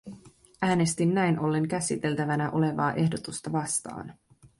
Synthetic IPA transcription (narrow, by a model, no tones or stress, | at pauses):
æːne̞st̪inːæjnʔo̞lːe̞ŋkæsit̪e̞lt̪æʋænæʔo̞le̞ʋɑ̰ːʔe̞hdo̞t̪ust̪ɑʋɑst̪ɑ̰ːn